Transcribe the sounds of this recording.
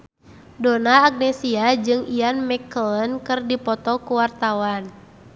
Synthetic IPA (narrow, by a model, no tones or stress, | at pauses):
dɔnaːɡ̚nɛsiad͡ʒɨŋianmɛkələnkɨrdipɔt̪ɔkuwart̪awan